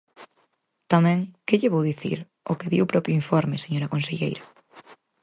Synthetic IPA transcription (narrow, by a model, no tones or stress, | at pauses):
t̪amɛ̃ŋkeʎeβowðiθḭɾ | okeðiwpɾɔpɾjʊiɱfɔɾmeseɲoɾakõnseʎejɾa